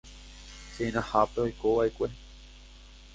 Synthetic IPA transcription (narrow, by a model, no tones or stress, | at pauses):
seĩñãhapeojkoʋaʔekʷe